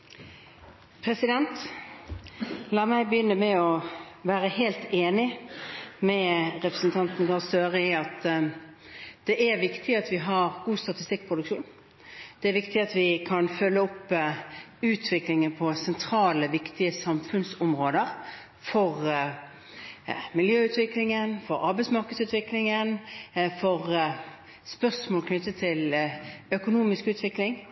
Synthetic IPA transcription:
pʰɾɛsɪd̪ɛnt̪ | lɑːmæɪbəjʏnːəmɛɔʋæːɾəheːlt̪eːnɪ | mɛʁɛpʁəsn̩t̪ʰɑnt̪n̩ɡɑsøːʁəɪɑt̪ | d̪̥ɛʔæɾʋɪkt̪ʰɪɑt̪ʋɪɦɑʁɡuːst̪ɑt̪ɪst̪ɪk̚ːpʰʁʊd̪ʉkʃuːn | d̪̥ɛːɾʋɪkt̪ɪɑt̪ʋɪkʰɑnfœlːəɔpː | ʉːt̪ʰʋɪklɪŋəpʰɔsɛnt̪ʰɾɑːləʋɪkt̪ɪəsɑmfʉnsɔmʁoːd̪əʁ | fɔʁ | mɪljøːʉt̪ʋɪklɪŋənfɔʁɑɾbæɪtsmɑʁkəd̪sʉːt̪ʋɪklɪŋənfɔʁ | spœʁsmoːlkʰnʏt̪ːət̪ʰɪlœkʊnuːmɪskʉːt̪ʰʋɪklɪŋ

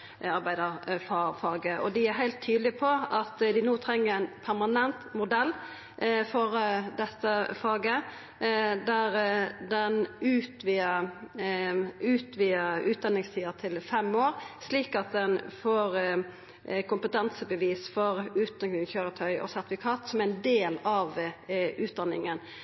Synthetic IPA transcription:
ɑɾbæɪd̪əfɑfɑːɡəʔɔd̪ɪæɾɦæɪlt̪ʰːyːd̪lɪpʰɔɑt̪d̪ɪnoːt̪ʰɾɛŋːəɾæɪnpʰæɾmɑnɛnt̪mʊd̪ɛlː | fɔɾd̪ɛt̪ːəfɑːɡə | d̪æɾd̪ɛnʉːt̪ʋiːə | ʉːt̪ʋiːəʉːt̪̚d̪ɑnːɪŋst̪ʰiːət̪ʰɪlfɛmːoːɾsliːkɑt̪̚d̪ɛnfoːɾ | kʰʊmpət̪ɛnsəbəʋiːsfɔɾʉːt̪̚d̪ɑk̪ɪŋçøːɾət̪ʰœʏʔɔ̰sæɾt̪fɪkʰɑːt̪sɔmæɛnd̪eːlɑʋʉːt̪̚d̪ɑnːɪ̰ŋən

